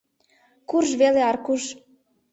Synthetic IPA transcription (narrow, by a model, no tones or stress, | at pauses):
kurʒveleɑɾkuʒ